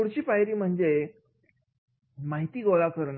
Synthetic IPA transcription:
uɽt͡ɕiːfajɾiːm̤əɳd͡ze | maɦit̪iːɡolakəɾɳ

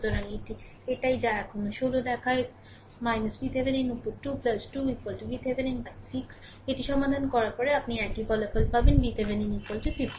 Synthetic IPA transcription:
t̪oɾaeʈi | eʈajd͡ʑaɛkʰonoʃolod̪ɛkʰae | majnɐsbit̪ʰebeninupːoɾʈuplasʈuikalʈubit̪ʰebʱeninbajsiks | eʈiʃɔmad̪ʱankɔɾaɾpɔɾeapniɛkibɔlafʰolbʱabenbit̪ʰebʱeninikolʈʰufifʈi

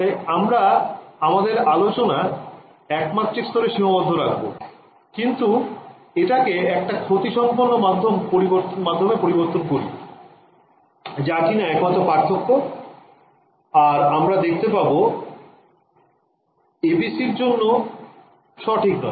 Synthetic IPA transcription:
aamɾaamad̪eɾalot͡ɕona | ɛkmat̪ːɾiɾst̪ɔɾeʃiɦobod̪ʱːoɾak̚bo̰ | kint̪u | eʈakeɛk̚ʈakʰot̪iʃɔmponːomad̪ʱːompoɾiboɾt̪omad̪ʱːomepoɾiboɾt̪onkoɾḭ | d͡ʑakinaɛkmat̪ːɾopaɾt̪ʰokːo | aɾamɾad̪ekʰt̪epabo | ebisiɾd͡ʑonːo | ʃɔʈʰiknɔ̰e

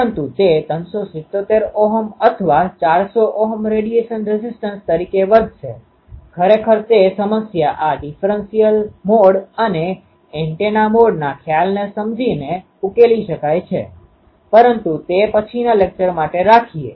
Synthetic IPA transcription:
ənt̪ut̪et̪ənsosɪt̪ːot̪eɾoɦəmət̪ʰəʋat͡ʃaɾsoʔɔɦəmɾeɽieʃənɾɪzɪsʈənst̪əɾikeʋəd̪ʱʃe | kʰəɾekʰəɾt̪esəməsjaʔaɖifʰɾənsijəlmoɽəne | ɛ̃ɳʈenamoɽnakʰjalnesəmd͡ʒine | ukeliʃəkajt͡ʃʰḛ | pəɾənt̪ut̪epət͡ʃʰinalek̚t͡ʃəɾmaʈeɾakʰie

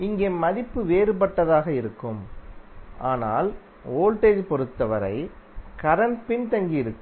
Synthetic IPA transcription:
ɪŋɡeːmɐðɪpːɯʋeːɾɯp̬ɐʈːɐðaːɣɐɪɾɯkːɯm | ʔaːna̰ːl | oːlʈeːd͡ʒpɔɾɯt̪ːɐʋɐɾɐ̰ɪkɐɾɐnpɪnt̪ɐŋɡijɪɾɯkː

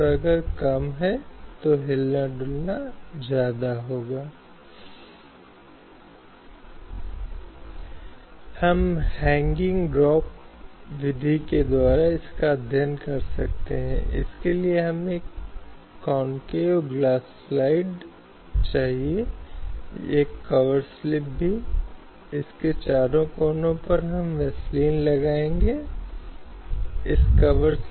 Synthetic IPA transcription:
ɾɐɡəɾkɐmɦɛt̪oɦɪlnaɖuːlnad͡ʒjaːd̪aɦoːɡaː | hɐmhɛ̃ːŋɡɪ̃ŋɡɖɾɔːpʋɪd̪ʱiked̪waːɾaɪskad̪ʱjənkɐɾsɐ̰k̚t̪ḛɦɛ̰̃ʔɪ̰skelieɦɐmeːkː | ɔːnkeɡlaːs | laːɪɖ | t͡ʃaːɦie | eːkːɐʋəɾslɪp̚bʱi | ɪsket͡ʃaːɾõkoːnõpɐɾɦɐmʋɛsliːnlɐɡaːẽːŋɡe | ɪskɐʋəɾs

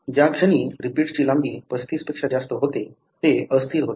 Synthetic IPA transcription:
d͡ʑjakʂəñiːɾipiːʈt͡ɕilãmɡiːpəst̪ispekʂad͡zast̪əɦot̪e | t̪eəst̪ʰiːɾɦot̪e

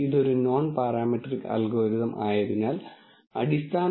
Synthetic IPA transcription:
iðo̞ɾuno̞ːnparaːmiʈrikːɐ̰lɡoːɾiðɐmʔa̰ːjɐðinaːl | ɐ̰ɽist̪ʰaː

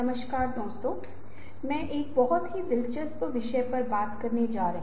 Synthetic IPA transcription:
ɐməʃkaːɾd̪oːst̪oː | mɛ̃ːʔeːk̚bɐɦɔt̪ɦid̪ɪlt͡ʃəspʋɪʃɛepɐɾbaːt̪kɐɾned͡ʒaːɾɐɦ

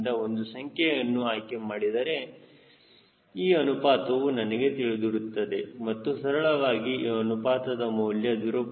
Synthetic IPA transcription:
d̪ɐo̞nd̪usɐŋkʰjejɐnːuaːjkemaːɽid̪ɐɾe̞ | iːɐnupaːt̪ɐʋunɐnɐɡe̞t̪iɭid̪iɾut̪ːɐd̪e̞mɐt̪ːusɐɾɐɭɐʋaːɡiɐnupaːt̪ɐd̪ɐmɐwljɐd̪iɾoːp

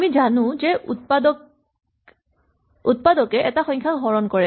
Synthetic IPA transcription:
amizanʊ̃zɛut̚padɔk | ut̚padɔkɛʔɛtaxɔjŋkʰaɡʱɔɹɔnkɔɹɛ

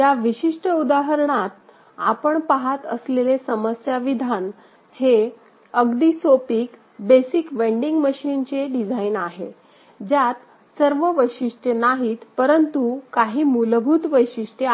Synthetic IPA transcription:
jaʋiɕiʂʈəud̪aɦəɾɳat̪̚ | a̰pəɳpaɦat̪ə̰slelesəməsjaʋid̪ʱan | he | əɡd̪iːsopiːk | besikʋeɳɖiŋɡməɕint͡ɕeɖid͡zʱainaɦḛ | d͡ʑjat̪ | səɾʋəʋəjɕiʂʈenaɦiːt̪pəɾənt̪ukaɦiːmulbʱuːt̪ʋəjɕiʂʈe

